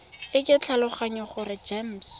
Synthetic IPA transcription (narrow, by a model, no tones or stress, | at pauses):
ɪkʼɪt͡ɬʰalʊχaɲɔχʊrɪd͡ʒems